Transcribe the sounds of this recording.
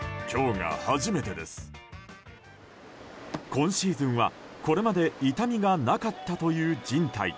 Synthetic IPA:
kʲo̞ːŋa̰haʑime̞t̪e̞d̪e̞sɨ̥ | kõ̞ɕiːzɨ̃ɰ̃βa̰ko̞ɾe̞mad̪e̞it̪amʲiɡanakat̪ːat̪o̞jɯ̟ːd͡ʑĩnt̪aḭ

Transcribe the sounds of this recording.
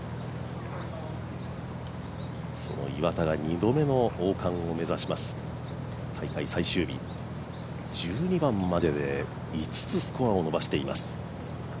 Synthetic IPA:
so̞̰no̞̰iβat̪aɡaɲ̟id̪o̞me̞no̞oːkʰãɰ̃o̞me̞zaɕimasɨ̥ | t̪ʰaikaisaiɕɨːbʲḭ | d͡ʑ̥ɨːɲ̟ibãmːad̪e̞d̪e̞ | it͡sɨ̥t͡sɨsɨ̥ko̞ao̞no̞baɕi̥t̪e̞ima̰sɨ̥

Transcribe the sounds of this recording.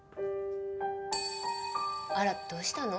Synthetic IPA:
aɾad̪̥oːɕi̥t̪ano

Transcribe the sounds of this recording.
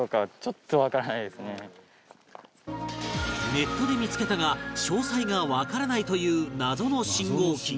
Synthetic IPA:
okat͡ɕot̪ːoβakaɾanaid̪e̞sɨne | ne̞t̪ːo̞d̪e̞mʲit͡sɨ̥ke̞t̪aɡaɕo̞ːsaiɡaβakaɾanait̪o̞jɯ̟ːnazo̞no̞ɕĩŋɡoːkʲi

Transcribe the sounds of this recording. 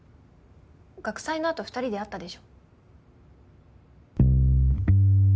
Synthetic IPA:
ɡ̥akɯ̥saino̞at̪o̞ɸɯ̥t̪aɾʲid̪e̞at̪ːad̪e̞ɕo̞̥ː

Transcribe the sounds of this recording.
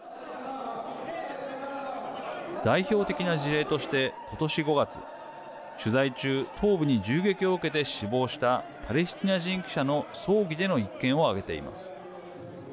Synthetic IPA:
d̪̥aiço̞ːt̪e̞kʲinaʑiɾe̞ːt̪o̞ɕi̥t̪e̞ko̞t̪o̞ɕiɡo̞ɡat͡sɨ̥̰ | ɕɨzait͡ɕɨːt̪ʰo̞ːbɯ̟ɲ̟id͡ʑɨːɡe̞kʲio̞ɯ̟ke̞t̪e̞ɕibo̞ːɕi̥t̪a | pʰaɾe̞sɨ̥t̪ʲinaʑĩŋkʲi̥ɕano̞so̞ːɡʲid̪e̞no̞ikːẽɰ̃o̞aɡe̞t̪e̞̰ḭma̰sɨ̥

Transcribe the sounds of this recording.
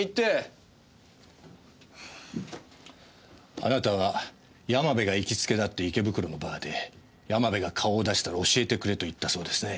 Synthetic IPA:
it̪e | a̰nat̪aβ̞a | jamabe̞ɡaikʲit͡sɨ̥ke̞d̪at̪ːe̞ike̞bɯ̟kɯ̟ɾo̞no̞baːd̪e̞ | jamabe̞ɡakʰao̞ːd̪aɕi̥t̪aɾao̞ɕie̞t̪e̞kɯ̟ɾe̞t̪o̞it̪ːaso̞ːd̪e̞sɨne̞

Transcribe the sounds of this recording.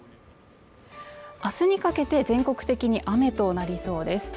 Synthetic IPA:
asɨɲ̟ikake̞t̪e̞zẽ̞ŋko̞kɯ̟̥t̪e̞kʲiɲ̟iʔame̞t̪o̞naɾʲiso̞ːd̪e̞sɨ̥

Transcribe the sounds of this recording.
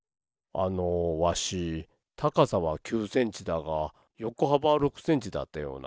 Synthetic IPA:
a̰noβaɕi | t̪ʰakasaβakʲɨːsẽ̞ɲ̟t͡ɕid̪aɡa | jo̞koɦabaɾo̞kɯ̟̥sẽ̞ɲ̟t͡ɕid̪a̰t̪ːajo̞̰ːna̰

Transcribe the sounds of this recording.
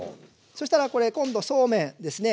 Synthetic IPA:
so̞ɕi̥t̪aɾako̞ɾe̞kõ̞nd̪o̞so̞ːmẽ̞d̪e̞sɨne̞

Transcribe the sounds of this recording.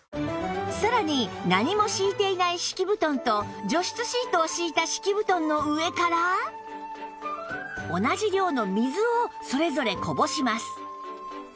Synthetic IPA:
saɾaɲ̟inaɲ̟imo̞ɕiːt̪e̞inaiɕi̥kʲibɯ̟t̪õ̞nt̪o̞d͡ʑo̞ɕi̥t͡sɨɕiːt̪oːɕiːt̪aɕi̥kʲibɯ̟t̪õ̞nːo̞ɯ̟e̞kaɾa | o̞nad͡ʑiɾʲo̞ːno̞mʲizɨoso̞ɾe̞zo̞ɾe̞ko̞bo̞ɕimasɨ̥

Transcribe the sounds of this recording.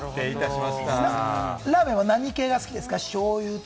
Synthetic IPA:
t̪eit̪aɕimaɕi̥t̪aaɾaːmẽβanaɲ̟ike̞ːɡasɨ̥kʲid̪e̞sɨ̥kaɕo̞ːjɯ̟ːt̪

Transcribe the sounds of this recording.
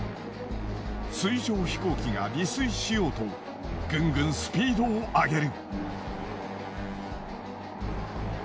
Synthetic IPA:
sɨiʑo̞ːçi̥ko̞ːkʲiɡaɾʲisɨiɕijo̞ːt̪o̞ | ɡ̥ɯ̟̃ŋɡɯ̟̃ɰ̃sɨ̥pʲiːd̪o̞ːʔaɡe̞ɾɯ̟

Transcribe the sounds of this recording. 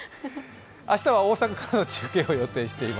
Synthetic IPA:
aɕi̥t̪aβao̞ːsakakaɾano̞t͡ɕɨ̥ːke̞ːo̞jo̞t̪e̞ːɕi̥t̪e̞ima

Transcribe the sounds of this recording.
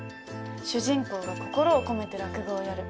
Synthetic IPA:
ɕɨʑĩŋko̞ːɡako̞̥ko̞ɾo̞ːko̞me̞t̪e̞ɾakɯ̟ɡoːjaɾɯ̟

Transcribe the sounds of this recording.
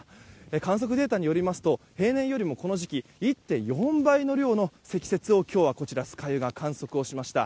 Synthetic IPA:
ekãɰ̃s̬o̞k̬ɯd̪e̞ːt̪aɲ̟ijo̞ɾʲimasɨ̥t̪o̞he̞ːnẽ̞jo̞ɾʲimo̞ko̞no̞ʑikʲiit̪ːe̞jõ̞mbaino̞ɾʲo̞ːno̞se̞kʲi̥se̞t͡sɨo̞kʲo̞ːβako̞t͡ɕiɾasɨ̥kajɯ̟ɡakʰãɰ̃so̞kɯ̟o̞ɕimaɕi̥t̪a̰

